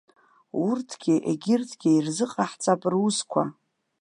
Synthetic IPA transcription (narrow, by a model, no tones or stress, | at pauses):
urtʰɡ̥ʲɪʔḛɡʲɪrtʰɡʲeirzɨqʼaħt͡sʼapʼruskʷʰa